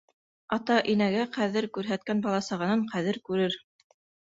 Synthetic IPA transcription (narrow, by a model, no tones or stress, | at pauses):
ɑt̪ɑʔinæɡæqæðɘɾkʉɾɦæt̪̚kænbɑlˠɑsɑʁɑnɤɴqʰæðɘɾkʉɾɘɾ